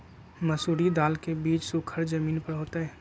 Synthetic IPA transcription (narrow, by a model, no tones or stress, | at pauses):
məsuːɾid̪aːlkebiːt͡ʃsʊkʰəɾd͡ʒəmiːnpəɽɦoːt̪aɦɛː